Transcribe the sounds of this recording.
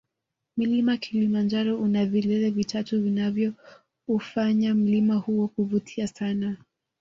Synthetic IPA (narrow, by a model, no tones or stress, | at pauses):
milimakʰilimand͡ʒaɾɔʔunavilɛlɛvitʰatuvinavjɔ | ufaɲam̩limahuɔkuvutʰiasana